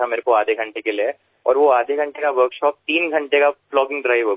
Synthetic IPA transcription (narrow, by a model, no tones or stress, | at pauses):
ameːɾekoaːd̪ʱeɡʱɐ̃ɳʈekelie | ɔ̰ːɾʋoaːd̪ʱeɡʱɐ̃ɳʈekaʋəɾkʃɔːp̚t̪iːnɡʱɐ̃ɳʈekaflɔːɡɪ̃ŋɡɖɾaːɪʋo